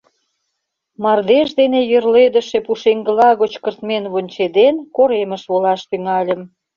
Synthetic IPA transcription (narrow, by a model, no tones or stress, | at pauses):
mɑrd̪eʃd̪enejørled̪ə̆ʃepuʃeŋɡə̆lɑɣot͡ɕkərt̪menβonʲt͡ɕed̪enkoɾeməʃβolɑʃt̪yŋɑlʲə̆m